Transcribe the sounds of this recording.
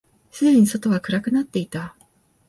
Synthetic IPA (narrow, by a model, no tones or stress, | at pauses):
sɨd̪eɲ̟iso̞t̪o̞βakɯ̟ɾakɯ̟nat̪ːe̞it̪a